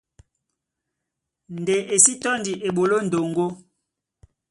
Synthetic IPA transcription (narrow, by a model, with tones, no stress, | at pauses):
n˨de˨ʔe˨si˦tɔ˦ndi˨ʔe˨ɓo˨lo˦n̩˨do˨ŋɡo˦